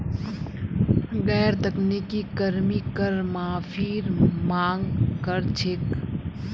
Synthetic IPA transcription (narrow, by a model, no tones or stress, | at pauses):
ɡɛːɾt̪əknekikəɾmikəɾmãpʰiːɾmaːŋɡkəɾt͡ʃʰek